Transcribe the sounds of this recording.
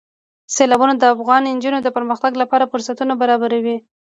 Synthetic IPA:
selɑbunod̪əafɣɑnɪnd͡ʒunod̪əpəɾməxt̪aɡlapɑɾafʊɾsat̪unabaɾɑbaɾawi

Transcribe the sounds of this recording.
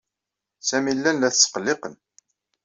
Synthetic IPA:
sæmilːænlæθsə̥qəlːeqən

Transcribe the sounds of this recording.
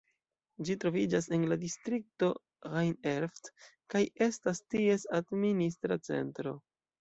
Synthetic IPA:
d͡ʒitɾo̞vid͡ʒas̬e̞nladistɾik̚to̞ | ʁajneɾft | kaje̞stastie̞sadministɾat͡se̞̰ntɾo̞

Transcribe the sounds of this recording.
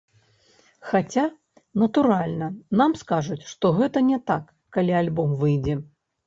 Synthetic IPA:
xat͡sʲa | nɐt̪uɾalʲnɐnamskaʐut͡sʲʂt̪ɔɣɛt̪ɐnʲɛt̪akːalʲialʲbɔmvɨjd͡zʲɛ

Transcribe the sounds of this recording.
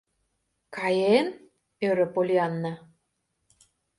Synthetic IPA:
kɑjen | øɾø̆polʲiɑnːɑ

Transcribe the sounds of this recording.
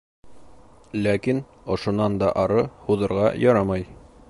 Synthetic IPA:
lækin | ŏʃŏnɑnd̪ɑʔɑɾɤhuðɤ̆ɾʁɑjɑɾɑmɑj

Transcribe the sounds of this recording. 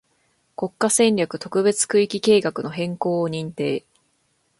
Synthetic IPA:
ko̞kːasẽ̞nɾʲakɯ̟t̪o̞kɯ̟be̞t͡sɨ̥kɯ̟ikʲike̞ːɡakɯ̟no̞ɦẽ̞ŋko̞ːɲ̟ĩnt̪e̞ː

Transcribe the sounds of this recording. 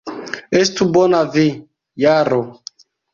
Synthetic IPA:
estubonavi | jaɾo

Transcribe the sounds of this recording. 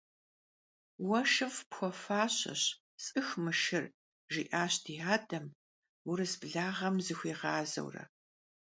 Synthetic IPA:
wɐʃɨfpxʷɔfaːɕɐ̰ɕ | sʼɨxmɨʃɪr | ʒiʔaːɕdʰiːɦaːdɐm | wʊɾɨsbɮaːʁɐmzɨxʷiːʁaːzɐ̰wrɐ̰

